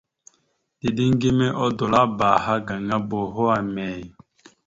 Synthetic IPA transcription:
d̥i˨di˦ŋ˦ɡi˦mɛ˦ʔɔ˦do˨la˦ba˨ha˦ɡa˨ŋa˦bo˨ɦo˦a˨mɛː˨

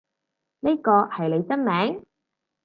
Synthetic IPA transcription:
ne˥kɔː˧hɐ˨jle˨˧jt͡sɐ˥nmɛː˨˥ŋ

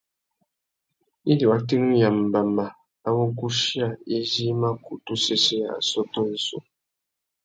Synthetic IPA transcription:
i˦di˨wa˦ti˦nũ˦ja˨m̩˨ba˨ma˨ | a˦wo˦ku˦ʃi˦a˦˨e˦zi˦ma˦ku˨tu˦se˦se˦a̰˨sɔ˦tɔ˦ni˦so̰˦

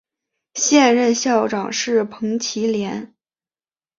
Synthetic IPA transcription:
ɕjɛ˥˧nɻə˥˧nɕjɑ˥˩ʊʈ͡ʂɑ˨˩ŋʂɻ̩˥˩pʰɤ˧˥ŋt͡ɕʰi˧˥ljɛ˧˥n

